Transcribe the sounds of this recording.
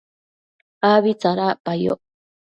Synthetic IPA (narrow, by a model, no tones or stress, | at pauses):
aβit͡saɾapajo̰ʔ